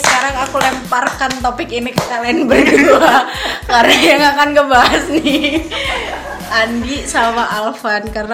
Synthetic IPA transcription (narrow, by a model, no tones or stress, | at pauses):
sə̥kaɾaŋakulɛmparkant̪opɪkinikəkalnbərɡuakaɾnajaŋakankəbaɦasni | ʔandisamaʔalfankarna